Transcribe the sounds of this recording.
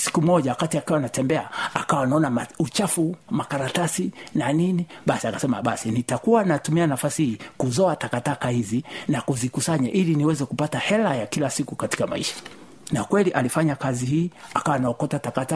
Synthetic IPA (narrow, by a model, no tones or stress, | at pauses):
si̥kum̩ɔʄawakatiakiwanatɛmbɛaakawanaɔnamaut͡ʃafumakaɾatasinaniniɓasiakasɛma̰ɓasinitakuwanatumianafasihiːkuzɔatakatakahizinakuzikusaɲaʔiliniwɛzɛkupatahɛlajakilasikukati̥kama̰iʃḁ | nakwɛliʔalifaɲakazihiːakawanaɔkɔtatakata